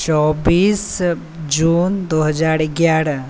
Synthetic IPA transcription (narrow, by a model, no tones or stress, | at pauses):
t͡ʃɔbiːs | d͡ʒuːnd̪oɦəd͡ʒaːɾɪɡjaːɾə